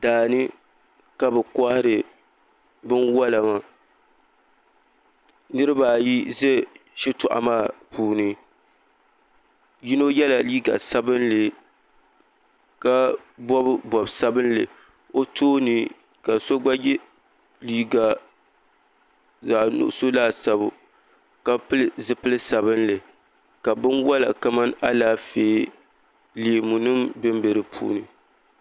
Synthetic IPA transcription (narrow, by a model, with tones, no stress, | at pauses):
daː˨nɨ˦ | ka˦bɛ˨kɔ˦hɪ˦ɾɨ˨ | bɨ˦nwa˦la˨ma˦ | nɨ˦ɾɨ˦baː˨ji˦ze˦ʃi˦tʊ̰˨ʔa̰˨maː˦˨puː˨nɨ˦ | ji˦no˦jɛ˦la˨liː˦ɡa̰˨sa˦bɨ˦nlɨ˨ | ka˦ | bɔ˦bbɔ˨bsa˦bɨ˦nlɨ˨ | o˦toː˦nɨ˨ | ka˨so˦ɡ͡ba˦jɛ˦ | liː˦ɡa˨ | zaː˨nʊ̰˨ʔso˦laː˦˨sa˦bʊ̰˨ | ka˦pɨ˦lzɨ˦pɨ˦lɨ˦sa˨bɨ˦nlɨ˨ | ka˨bɨ˦nwɔ˦la̰˨ka˦ma˦na˦laː˦feː˨˦ | leː˨mu˨nɨ˦mbɨ˦mbe˨ɾɨ˨pʰṵː˦nɨ˨